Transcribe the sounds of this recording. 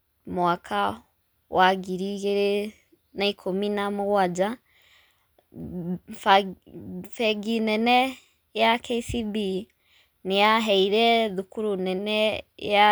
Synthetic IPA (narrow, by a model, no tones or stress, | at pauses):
moakʰa | waɡiɾiɣeɾe | naikʰominamoɣwad͡ʒa | fɛɡinɛnɛ | jakʰeisibi | nejaɦɛiɾɛðukuɾonɛnɛja